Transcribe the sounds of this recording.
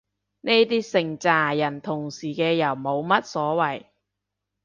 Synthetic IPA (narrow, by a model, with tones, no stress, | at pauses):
ne˥jt̪iː˥sɪ˨ŋt͡saː˨˩jɐ˨˩nt̪ʰʊ˨˩ŋsiː˨˩kɛː˧jɐ˨˩wmo˨˧wmɐ˥t̚sɔː˨˥wɐ˨˩j